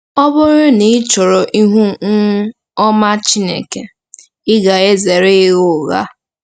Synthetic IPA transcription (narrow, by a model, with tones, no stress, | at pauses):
ɔ˦bʊ˦ɾʊ˦ni˦t͡ʃɔ˨ɾɔ˨ʔi˦ɦu˦ | ɔ˦ma˦t͡ʃi˦nḛ˨ke˨ | ɪ˦ɡa˨e˦ze˨ɾe˦ɣʊ˦˨ɣa̰˦